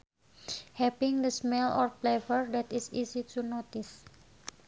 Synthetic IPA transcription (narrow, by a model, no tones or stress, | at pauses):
hɛpɪŋd̪əsmɛlɔ̰rplɛfərdɛt̪isisit̪unot̪is